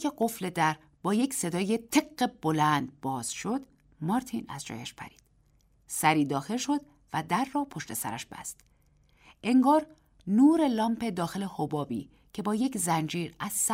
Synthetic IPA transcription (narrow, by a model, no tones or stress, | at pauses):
eɢo̞fle̞d̪æɾ | b̥ɒːje̞cse̞d̪ɒːjet̪ʰe̞ɡːe̞b̥o̞lænd̪̚bɒːz̥ʃo̞d̪̥ | mɒːɾt̪ʰinæ̰zd͡ʒɒ̰ːjæʃpʰæ̰ɾi̥ːd̪̥ | sæɾiːd̪ɒːxe̞lʃo̞d̪̥̚ | væd̪æɾːɒːpʰo̞ʃt̪e̞sæ̰ɾæ̰ʃb̥æ̰st̪ | ʔe̞ŋɡɒːɾ | nuːɾe̞lɒːmpʰe̞d̪ɒːxe̞lehobɒːbḭː | cʰe̞bɒːje̞czænd͡ʒiːɾæz̥s